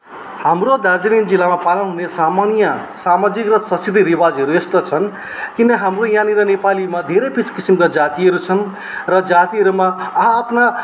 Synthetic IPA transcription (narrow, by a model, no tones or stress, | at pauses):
hamrod̪ard͡zinind͡zilːamapalʌnɦunesamanijʌsamad͡zikrʌsʌsʰit̪iɾibad͡zɦʌɾuest̪ʌt͡sʰʌn | kinʌɦamrojãniɾʌnepalimad̪ʱeɾepiskisimkad͡zat̪iɦʌɾut͡sʰʌn | rʌd͡zat̪iɦʌɾumaːɦãːpʰna